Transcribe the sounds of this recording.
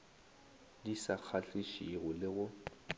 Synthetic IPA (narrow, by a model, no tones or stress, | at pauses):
disak͡xʰaɬiʃiɣʊlɪɣʊ